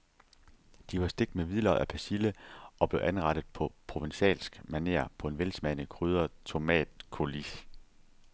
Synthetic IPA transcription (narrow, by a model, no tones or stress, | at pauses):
d̥iʋɑ̈sd̥e̝ɡ̥̚d̥meʋiðˠlɐʔæpʰæsiləɒ̽b̥le̝ʊʔænʁɑ̈ɾ̥ð̞̩ˠpʰɒ̽pʰʁo̝ʋenɕɛ̰ːlsɡ̥mænḛːɐ̰pʰɒ̽e̝nʋelsmænəkʰʁyːð̞ˠɐt͡sʰo̝mɛ̰ːd̥kʰo̝lis